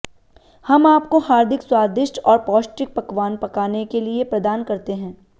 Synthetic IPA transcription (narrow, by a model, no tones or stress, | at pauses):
hɐmaːpkoɦaːɾd̪ʱɪkswaːɾd̪ɪʃʈɔːɾpɔːsʈɪk̚pɐkʋaːnpɐkaːnekeliepɾɐd̪aːnkɐɾt̪eɦɛ̃ː